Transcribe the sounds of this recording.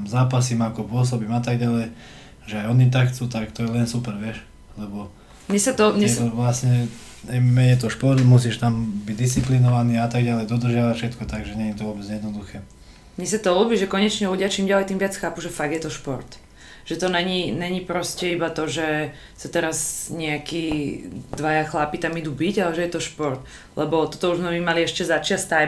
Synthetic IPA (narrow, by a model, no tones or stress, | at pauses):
mzaːpasiːmakɔpʊɔs̬ɔbiːmat̪aɡ̚ɟalɛj | ʒɛajɔnit̪axt͡sut̪akt̪ɔjɛlɛnsupɛɾʋɪɛʃ | lɛbɔ | mɲɛsat̪ɔmɛɛt̪ɔʋlasɲɛ | ɛmɛɲɛt̪ɔʃpɔɾt̪mus̬iːʃt̪ambiɟd̪ist͡siplinɔʋaniːaat̪aɡ̚ɟalɛjd̪ɔd̪r̩ʒɪaʋacfʃɛt̪kɔt̪aɡʒɛɲɛɲit̪ɔʋɔbɛd͡zjɛd̪nɔd̪uxɛː | mɲɛs̬at̪ɔulːbiːʒɛkɔɲɛt͡ʃɲɛluɟɪat͡ʃiːmɟalɛjt̪iːmʋɪat͡sxaːpuʒɛfaɡ̚d̪jɛt̪ɔʃpɔɾt̪ | ʒ̥ɛt̪ɔnɛɲiɲɛɲipɾɔscɛibat̪ɔʒɛ | sat̪ɛɾazɲɛakiːd̪ʋajaxlapit̪amid̪uːbiɟalɛʒɛjɛt̪ɔʃpɔɾt̪ | lɛbɔt̪ɔt̪ɔuʒzmɛmimaliɛʃcɛzat͡ʃɪast̪ːa